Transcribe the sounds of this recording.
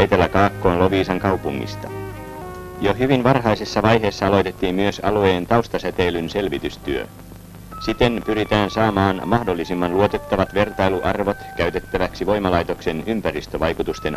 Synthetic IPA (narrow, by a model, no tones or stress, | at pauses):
ejt̪e̞lːækɑːkːo̞ːnlo̞ʋiːsɑŋkɑwpuŋːḭst̪ɑ | joɦyʋinʋɑrɦɑjsesːɑʋɑjɦe̞ːsːɑɑlo̞jt̪et̪ːiːmmyøsɑlue̞ːnt̪ɑwst̪ɑsæt̪e̞ilynse̞lʋit̪yst̪yø̰ | sit̪e̞npyɾit̪æːnsɑːmɑːnmɑhdo̞lːisimːɑnluot̪e̞t̪ːɑʋɑt̪ʋe̞rt̪ɑjluʔɑrʋo̞t̪kæyt̪e̞t̪ːæʋæksiʋo̞jmɑlɑjt̪o̞kse̞nympærist̪øʋɑjkut̪ust̪e̞n